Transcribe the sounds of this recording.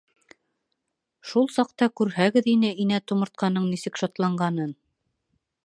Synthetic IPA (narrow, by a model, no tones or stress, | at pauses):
ʃulˠsɑq̚t̪ɑkʉɾhæɡɘðinɘʔinæt̪ŏmɤ̆ɾt̪̚qʰɑnɤɴnisɘkʃɑt̪lˠɑɴɢɑnɤn